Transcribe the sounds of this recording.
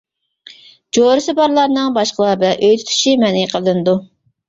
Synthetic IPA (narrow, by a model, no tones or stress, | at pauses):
d͡ʒoɾɨsɨbɑɾlˠɑɾnɨŋbɑʃqəlˠɑbɛʔøjt̪ʰy̥t̪ʰy̥ʃimɛniqʰəlˠɨnd̪u